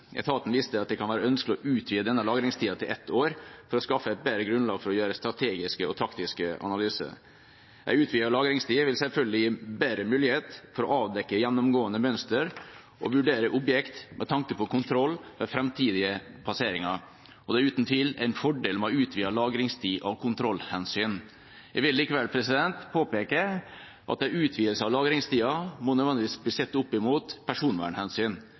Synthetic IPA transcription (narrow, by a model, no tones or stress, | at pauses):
ʔɛ̰t̪ʰɑːt̪n̩ʋɪst̪əɑt̪̚d̪ɛkʰɑnʋæːɾəœnsklɔʔʉːt̪ʰʋiːəd̪ɛnːəlɑːɡɾɪŋst̪ʰiːɑt̪ʰɪlʔɛt̪ʰːoːɾfɔɾɔskɑfːəæɪt̪̚beɾəɡɾʉnlɑːɡfɔɾɔjøːɾəst̪ɾɑt̪ʰeːɡɪskəɔt̪ʰɾɑkt̪ɪskəɑ̰nɑlyːsə̰ | ʔæ̰ɪʉːt̪ʰʋiːɑɭɑːɡɾɪŋst̪ʰiːʋɪlsɛlfœlɡd̪ɪjiːbæːɾəmʉːlɪheːt̪fɔɾɔʔɑːʋd̪ɛkːəjɛnːʊmɡoːənəmœnst̪əɾ | ʔɔ̰ʋʉɖeːɾəʔʊbjɛkt̪mʔɛt̪ʰɑŋkəpɔkʰʊnt̪ʰɾɔlːʋɛfɾɛmt̪ʰiːd̪ɪəpʰɑseːɾɪŋɑɾ | ɔd̪ɛæɾʉːt̪nt̪ʰɪlæɪnfɔɖeːlmɛɔʉːt̪ʰʋiːɑlɑːɡɾɪŋst̪ʰiːʔɑʋkʰʊnt̪ʰɾɔlhɛnsyːn | jæʋɪlːiːkəʋɛlpʰɾɛsɪd̪ɛnt̪pʰoːpeːkə | ʔɑ̰t̪̚d̪ɛʉːt̪ʰʋiːəlsəɑʋlɑːɡɾɪŋst̪iːɑmɔnɛœʋɛnɪʋiːsbliːsɛt̪ːʊpːɪmuːt̪pʰæʂuːnʋæ̰ːɳhɛnsyːn